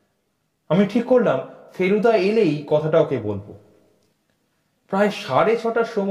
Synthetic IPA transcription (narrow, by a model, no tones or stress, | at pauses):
amiʈʰikːoɾlamfeɾud̪aelejkɔt̪ʰaʈaokebolbo | pɾaeʃaɾet͡ɕʰɔʈaɾʃom